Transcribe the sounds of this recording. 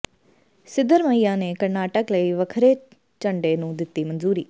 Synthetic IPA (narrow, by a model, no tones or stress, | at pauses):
sɪd̪əɾməiːãːneːkəɾnaːʈəkləiːʋəkʰɾeː | t͡ʃəɳɖeːnũːd̪ɪt̪ːiːmənzuːɾiː